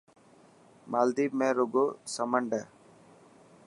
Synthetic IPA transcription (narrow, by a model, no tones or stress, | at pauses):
maːld̪iːmẽːɾoɡoːsəməɳɖə